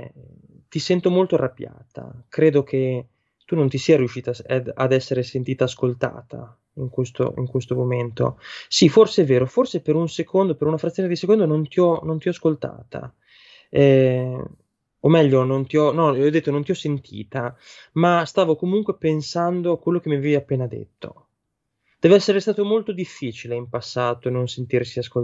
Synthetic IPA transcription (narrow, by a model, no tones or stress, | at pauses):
t̪isɛnt̪omolt̪oarːabja̰ːt̪a̰kɾeːd̪okʰe | t̪unont̪isiːaɾjuʃːiːt̪aa̰d̪ɛsːeɾesent̪iːt̪aːskolt̪a̰ːt̪a̰ | iŋkwest̪o̰ḭŋkwest̪omoment̪o̰siforseɛvːeːɾoforsepeɾunsekʰond̪opeɾunafɾat̪sːjoned̪isekond̪onont̪iɔnont̪iɔaskolt̪a̰ːt̪a̰ | ɛ | omːɛʎːonont̪iɔnɔɔd̪et̪ːonont̪iɔsːent̪ʰḭːt̪a | mast̪aːvokomuŋkwepensand̪oakːwelːokemːiavɛvjapːeːnad̪ḛt̪ːo̰ | d̪̥ɛːvoɛsːeɾest̪aːt̪omolt̪od̪ifːiːt͡ʃileimpasːaːt̪oenonsent̪irsiaskol